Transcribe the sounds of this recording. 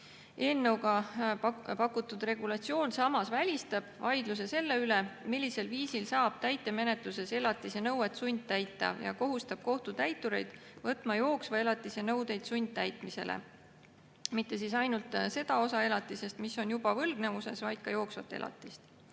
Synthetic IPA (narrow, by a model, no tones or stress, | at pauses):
e̞ːlnewɡɑ | pɑkːˑut̪ːˑud̪re̞ɡ̥ulɑt̪sio̞ːnsɑmɑsvælʲist̪ɑb̥vɑjd̪̥lus̬e̞se̞lːe̞yle̞milʲːise̞lviːsilsɑːb̥t̪æjt̪ːˑe̞me̞ne̞t̪luse̞se̞lɑt̪ːˑisɑnɤwet̪sunʲd̪̚t̪æjt̪ːˑɑ̰jɑ̰ko̞ɦust̪ɑb̥̚ko̞ht̪ut̪æjt̪ːˑuɾe̞̰jd̪̥vɤt̪ːˑmɑjo̞ːksvɑe̞lɑt̪ːˑisenɤwd̪e̞jd̪̥sunʲd̪̥̚t̪æjt̪ˑmise̞̰lʔḛ | mit̪ːe̞s̬isɑjnult̪se̞d̪̥ɑo̞sɑe̞lɑt̪ːˑise̞st̪miso̞njub̥ɑvɤlɡ̥ne̞vuse̞svɑjd̪̥kɑjo̞ːksvɑt̪ːˑe̞̰lʔɑ̰t̪ːˑist̪